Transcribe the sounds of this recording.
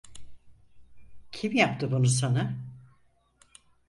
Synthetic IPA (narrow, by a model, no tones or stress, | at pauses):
cʰimjap̚t̪ɯbunusana